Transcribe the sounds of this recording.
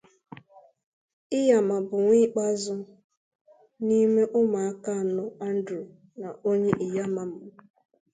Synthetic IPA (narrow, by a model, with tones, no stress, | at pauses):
ɪ˦ja˨ma˨bʊ˨ŋʷi˦k͡pa˦zʊ˦ | ni˦me˦ʔʊ˦ma˨a˦ka˦˨nʊ˦a˦n̩˦dɾu˨ | na˨o˦ɲe˦ʔɪ˨ja˦ma˨m̩˨